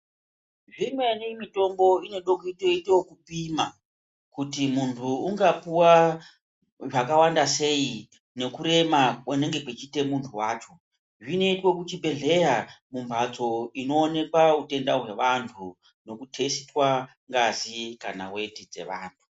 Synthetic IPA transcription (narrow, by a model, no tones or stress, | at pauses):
ʐimwe̞nimito̞mbo̞ine̞ɗokoitoiteokupima | kutimuntʰuːŋɡapuwa | ʐakawandase̞i | ne̞kuɾe̞makwene̞ŋɡe̞kwet͡ʃite̞muntʰuwaːt͡ʃo̞ | ʐine̞itwo̞kut͡ʃibʱe̞ɮe̞jamumbʱat͡so̞ino̞ːne̞kwaute̞ndaɦwe̞ʋantʰu | no̞kutʰe̞sitwa | ŋɡazikana̰we̞tid͡ze̞̰ʋaːntʰu̥